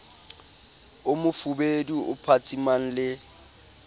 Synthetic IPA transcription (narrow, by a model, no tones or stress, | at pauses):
ʊmʊfubeduʔʊ̰pʰat͡sʼiman̩lɪ